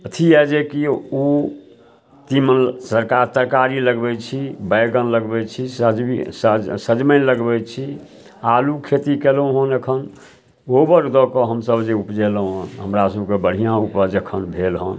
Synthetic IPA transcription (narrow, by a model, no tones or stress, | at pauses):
ət̪ʰiɛd͡ʒekiu | t̪imənsəɾkaɾt̪əɾkaɾiləɡbɛt͡ʃʰibəjɡənləɡbɛt͡ʃʰisd͡ʒissəd͡ʒmənləɡbɛt͡ʃʰi | alukʰet̪ikeləɦənekʰən | obəɾd̪ɔkɔɦəmsəbd͡ʒeupd͡ʒeləɦənɦəmɾasəbʱkebəɽ̤ijãupəɾd͡ʒekʰənbʱelɦə̰n